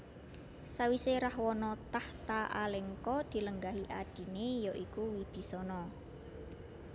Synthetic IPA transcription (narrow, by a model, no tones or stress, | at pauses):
sawiseɾahwɔnɔt̪aht̪aʔa̰leŋkɔd̪̥i̤ləŋɡaɦiʔaɖ̥i̤nejɔʔikuwib̥i̤sɔnɔ